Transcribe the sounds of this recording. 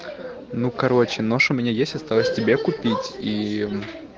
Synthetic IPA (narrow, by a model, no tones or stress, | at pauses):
nukɐɾo̞t͡ɕɪnoʂʊmʲɪnʲajesʲtʲɐst̪alˠəsʲtʲɪbʲekʊpʲitʲi